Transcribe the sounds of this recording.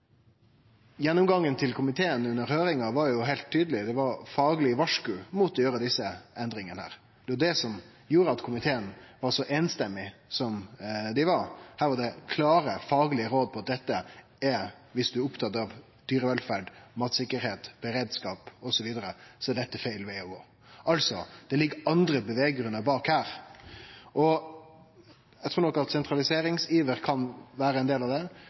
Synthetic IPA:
jɛnːʊmɡɑŋːənt̪ʰɪlkʰʊmɪt̪ʰeːənʉnːəɾhøːɾɪŋɑʋɑɾjʊɦæɪlt̪ʰːyːd̪əlɪd̪ɛʋɑɾfɑːɡlɪʋɑʂkʉːmuːt̪ɔjøːɾəd̪ɪsːəɛnd̪ɾɪŋənəhæ̰ːɾ | d̪̥ɛjʊd̪ɛsɔm | juːɾəɑt̪kʰʊmɪt̪ʰeːənʋɑɾʂɔʔeːnst̪ɛmːɪsɔmd̪ɪʋɑɾhæːɾʋɑɖ̪ɛkʰlɑːɾəfɑːɡlɪəɾoːd̪̚pʰɔɑt̪̚d̪ɛt̪ːə | ɛ | ʋɪsd̪ʉʊpt̪ʰɑt̪ːɑʋ | d̪̥yːɾəʋɛlfæːɖmɑːt̪sɪkːəɾheːt̪b̥əɾeːd̪skɑːpɔsɔʋiːd̪əɾəsɔæɖ̪ɛt̪ːəfæɪlʋɛɔɡoː | ʔɑlsɔd̪̥ɛlɪɡːəɑnd̪ɾəbəʋeːɡɾʉnːəɾbɑːkhæːɾ | ʔɔ | ɛt̪ʰɾuːnɔkːɑt̪sɛnt̪ɾɑlɪseːɾɪŋsiːʋəɾkʰɑnʋæːɾəɛnd̪eːlɑʋd̪ɛ

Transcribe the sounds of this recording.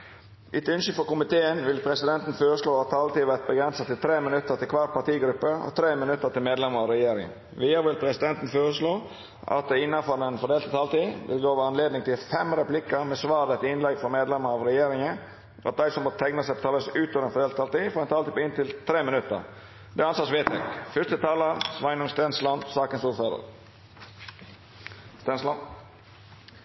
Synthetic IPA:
ʔɪt̪ʉnʃʏfɔkʊmɪt̪ʰeːənʋɪlpʰɾɛsɪd̪ɛnt̪n̩føːɾəʂloːɑt̪ʰːɑlt̪iːʋæt̪̚bəɡɾɛnsət̪ɪlt̪ʰɾeːmɪnʉt̪ːəɾt̪ɪlkʰʋɑt̪̚pʰɑʈ̪iːɡɾʉpːəɔ̰t̪ʰɾeːmɪnʉt̪ːət̪ɪlmeːd̪lɛməɾɑʋɾɛjeːɾɪ̰ŋə̰ | ʋiːəɾʋɪlpʰɾɛsɪd̪ɛnt̪n̩føːɾəʂɭoː | ʔɑ̰t̪̚d̪ɛɪnːɑfɔɾɛnfɔɖeːlt̪ət̪ʰɑːlt̪iːʋʔɪ̰lɡoːʋəɑnleːd̪nɪŋt̪ʰɪlfɛmɾɛplɪkəɾmɛsʋɑːd̪ɛt̪ɪnlɛɡfɔmeːd̪lɛməɾɑʋɾɛjeːɾɪŋən | ʔɑ̰t̪̚d̪æɪsɔmbɔːt̪ʰɛŋnəsɛpɔt̪ʰɑːləsʉːt̪ʰɔʋɾɛnfɔdɖeːlət̪ʰɑːlt̪iːfɔɾɛnt̪ʰɑːliːpːɪnt̪ɪlt̪ʰɾeːmɪnʉt̪ːə̰ɾ | d̪ɛɑnsɑːsʋeːt̪ʰɛ̰kfʏɾst̪ət̪ʰɑːləɾsʋɑɪnʊŋst̪ɛnslɑnsɑːkənsuːɾføːd̪ə̰ɾ | st̪ɛnslɑ

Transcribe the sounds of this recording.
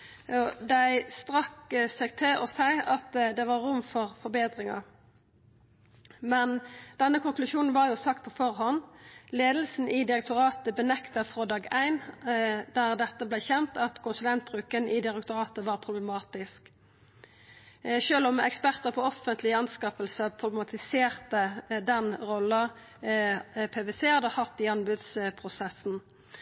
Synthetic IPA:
od̪æɪst̪ʁɑksɛɡt̪ʰɪlʔɔsæɪɑt̪d̪ɛʋɑʁʊmːfɔʁfɔɾbeːd̪ʁɪŋɑ̰ | mɛnd̪̥ɛnːəkʰʊŋklʉʃuːnn̩ʋɑʁjʊsɑk̚t̪̚pʰɔfɔʁhɦɔnleːd̪l̩sn̩ʔɪd̪ɪʁək̚t̪ʊɾɑːt̪əbənɛkt̪əfʁoːd̪ɑːɡæɪnd̪æʁd̪ɛt̪ːəblæɪçɛnt̪ɑt̪kʰʊnsʉlɛnt̪̚bʁʉːkənʔɪd̪ɪʁɛkt̪ʊʁɑːt̪əʋɑːʁpʰʁʊblɛmɑːt̪ɪsk | ʃøːlɔmɛ̰kspæʁt̪əʁpʰɔɔfːənt̪lɪɑnskɑːpəlsəpʰʁʊbɛmɑt̪ʰɪseːʁt̪əd̪ɛnʁɔlːə | pʰeːʋeseːhɑd̪əhɑt̪ːɪɑnbʉd̪spʰʁʊsɛsn̩

